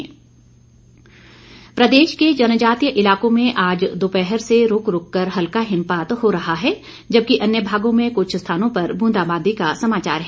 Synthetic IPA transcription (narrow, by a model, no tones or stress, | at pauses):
pɾɐd̪eːʃked͡ʒɐnd͡ʒaːt̪ijəʔɪlaːkõmẽʔaːd͡ʒd̪oːpɛɦɛɾseɾʊkɾʊkːɐɾɦɐlkaɦɪ̃mpaːt̪hoɾɐɦaɦɛː | d͡ʒɐb̚kiʔɐnjəbʱaːɡõmẽkʊt͡ʃʰst̪ʰaːnõpɐɾbʱũːnd̪aːbaːd̪ikasɐmaːt͡ʃa̰ːɾɦɛː